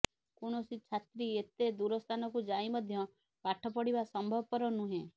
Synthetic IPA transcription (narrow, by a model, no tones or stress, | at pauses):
kuɽ̃ɔsit͡ʃʰat̪ɾiet̪ed̪uɾɔst̪ʰanɔkud͡ʒaimɔd̪ʱjɔ | paʈʰɔpɔɽibasɔmbʱɔbɔpɔɾɔnũɦẽ